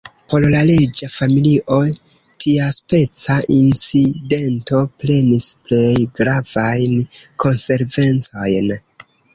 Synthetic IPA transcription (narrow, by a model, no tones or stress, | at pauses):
po̞llale̞d͡ʒafamiliʔo̞ | tʰiaspe̞t͡saʔint͡side̞nto̞ple̞nisple̞jɡɾavajnkʰo̞nse̞ɾve̞nt͡so̞jn